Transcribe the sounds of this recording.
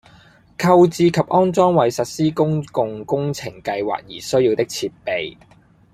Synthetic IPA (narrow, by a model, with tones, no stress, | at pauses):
kʰɐ˧wt͡siː˧kʰɐ˨p̚ʔɔː˥nt͡sɔː˥ŋwɐ˨˩jsɐ˨t̚siː˥kʊ˥ŋkʊ˨˧ŋkʊ˥ŋt͡sʰɪ˨˩ŋkɐ˧jwa̰ː˨˩k̚jiː˨˩sɵ˥ɥjiː˧wt̪ɪ˥k̚t͡sʰiː˧t̚pe˨j